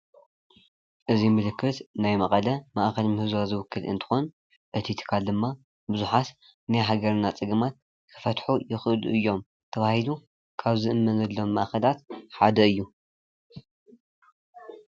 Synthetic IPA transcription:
ʔɨzimɨlɨkʰːɨt̪najmɐχʼɐlɐmaʔxɐlmɨhɨzwazɨwʊkʰːɨlɨ̰nt̪ʰɨ̥xon | ʔɨt̪ʰit̪ʰɨ̥kʰald̪ɨmːa | bɨzuħat̪ | najɦaɡɐɾnːat͡sʼɨɡɨmat̪̚ | kʰɨ̥fɐt̪ħujɪxɨlṵʔɨjːo̞m | t̪ʰɐβahilu | kʰaβzɨʔɨmːɐnɐlːo̞mːaʔxɐlat̪ħad̪ɐɨjːu

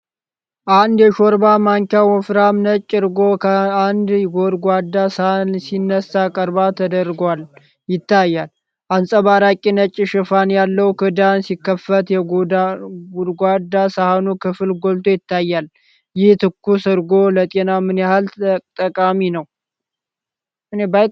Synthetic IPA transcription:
ʔand̪jɛʃoɾbamaŋkawɔfɾamnət͡ʃʼːɨɾɡo̞kʰəand̪ɡod̪ɡʷad̪ːasnsinːəsakʼəɾbat̪ʰəd̪əɾɡal | jɪt̪ʰːajːal | ʔansʼəβaɾakʼinət͡ʃʼːʃɨfanjalːəwkʰɨd̪ansikːəfːət̪jɛ | ɡud̪ɡʷad̪ːasahanukʰɨfɨlɡolt̪ʰojɪt̪ːajːal | jɪht̪ʰɨkʰːusɨɾɡo̞lət̪ʼenamɨnjahalt̪ʼəkʼaminəw | ʔɨneba

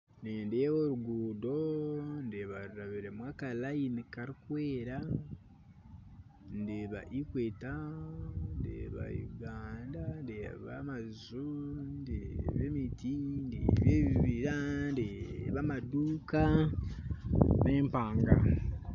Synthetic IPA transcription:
neːndewoɾuɡuːdo̞ndeβaɾuɾaβiɾemwakalajinikaɾikweːɾa | ndeβa̰ʔikweːta | ndḛβa̰juɡaːndandḛβa̰mazundeβemitindḛβeβiβiɾandeβamaduːka | neːmpaːŋɡa̰

